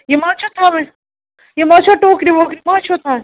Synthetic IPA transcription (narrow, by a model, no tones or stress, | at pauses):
jemãːt͡ʃʰot̪ʰame | jemãːt͡ʃʰoʈoːkɾiʋoːkɾimaːt͡ʃʰot̪ʰa